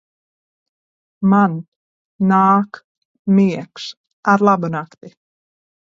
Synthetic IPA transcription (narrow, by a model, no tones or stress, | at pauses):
man | naːk | mɪks | ʔaɾlabʏnakt̪ɪ